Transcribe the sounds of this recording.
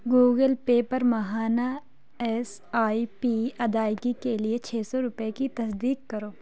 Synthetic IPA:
ɡuːɡəlpeːpɐɾmɐɦaːna | ɛs | aːipiɐd̪aːɪkikeliet͡ʃʰeːsɔɾʊpekit̪ɐsd̪iːkːɐɾoː

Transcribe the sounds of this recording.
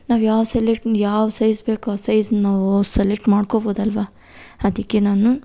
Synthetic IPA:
naːʋjaːʋselek̚ʈnjaːʋsɐjsbeːkaːsɐjzɐnɐnaːʋuselek̚ʈmaːɽkoboːd̪ɐlʋa | ɐd̪ikːenaːnu

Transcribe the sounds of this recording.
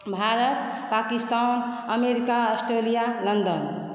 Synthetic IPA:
bʱaɾət̪ | pakist̪an | əmeɾikaəsʈɾelijalənd̪ən

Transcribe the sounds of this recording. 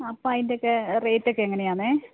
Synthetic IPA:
ɐpːɐjndeokːereːtːokːeeŋːɐne̞jaːnɨ

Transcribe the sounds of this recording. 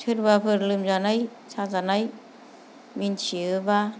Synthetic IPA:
tʰɯɾbapʰɯɾlɯmzanaj | sʰazanaj | mint͡ʃʰiɯba

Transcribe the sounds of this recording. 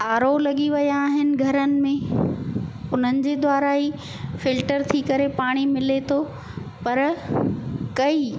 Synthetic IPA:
aːɾolɐɠiʋɐjaːɦɪnɪ̆ɡʱɐɾənɪ̆mẽ | ʊn̤ənɪ̆d͡ʑeːd̪ʋaːɾaːi | fɪlʈəɾt̪ʰikɐɾepaːɽ̃imɪlet̪ʰo | pɐɾ | kɐiː

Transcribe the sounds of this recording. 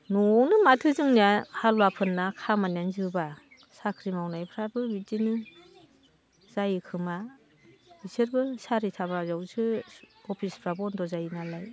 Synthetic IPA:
nɔnɯmatʰɯzɯŋniahalwapʰɯnːakʰamanjanzɯba | sakʰɾimawnajpʰɾabɯbidini | z̥ajɯkʰɯma | bisɯɾbɯsaɾitʰabazawzɯɔpʰispʰɾabɔndɔzajnalaj

